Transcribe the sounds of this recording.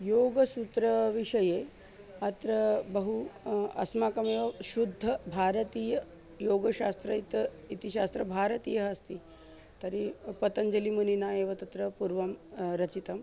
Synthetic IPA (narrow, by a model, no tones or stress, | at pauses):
joːɡɐsut̪ɾɐʋiʂɐje | ɐt̪ɾɐbɐɦuɐ̰smaːkɐmeʋɐʃud̪ʱːɐbʱaːɾɐt̪iːjɐ | joːɡɐɕast̪ɾɐit̪ | it̪iɕast̪ɾɐbʱaːɾɐt̪ḭːjɐɦɐst̪iː | t̪ɐɾipɐt̪ɐnd͡ʒɐlimuninaeːʋɐt̪ɐt̪ɾɐpuɾʋɐmɾɐt͡ʃit̪ɐm